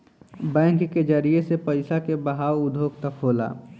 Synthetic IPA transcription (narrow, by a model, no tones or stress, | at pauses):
bɛ̃ːŋkːed͡ʒəɾiesepəɪsakebəɦaːwʊd̪ʱoːk̚t̪əkʰɦoːla̰ː